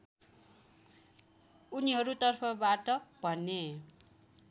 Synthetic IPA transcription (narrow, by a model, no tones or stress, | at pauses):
uniɦʌɾut̪ʌrpʰʌbaʈʌb̥ʱʌnːe